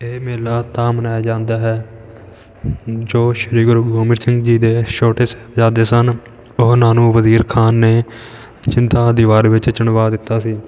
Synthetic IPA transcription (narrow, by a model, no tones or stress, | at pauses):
eːmeːlaːt̪aːmənaːjd͡ʒãːnd̪aːɦɛː | d͡ʒoːʃəɾiːɡʊɾɡoːmɪɾsɪ̃ŋɡd͡ʒiːd̪eːʃoːʈeːsɛ̥ːpd͡ʒãːd̪eːsən | ʊɦnaːnũːʋəziːɾkʰaːnːeː | t͡ʃɪnt̪aːd̪ɪːʋaːɾʋɪt͡ʃt͡ʃəɳʋaːd̪ɪt̪ːaːsiː